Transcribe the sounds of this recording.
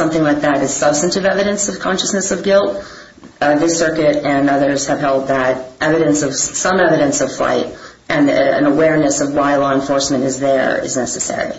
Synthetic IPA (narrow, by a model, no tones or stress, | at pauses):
sʌ̃mθɪ̃ŋlaɪk̚ðɨɾɨz̥sʌb̥stɨ̃ntɨvɛvɨɾɨ̃nsʌv̥kʰɑ̃nʃɨsnɨsʌvɡɪlˠt̚ | ðɪsɜ˞kɨɾɨ̃nʌðə˞z̥ɨv̥ɦɛlˠd̪̚ðəɾʔɛvɨɾɨ̃nsʌv̥sʌ̃mɛvɨɾɨ̃nsʌv̥fla̰ɪt̚ | ʔɨ̃nɨ̰̃nəwɛɹnɨsʌvwaɪlɔə̃ɱfɔɹsmɨ̃ñtɨzðə̰˞ɪ̰znɛsɨsɛ̰ɹḭi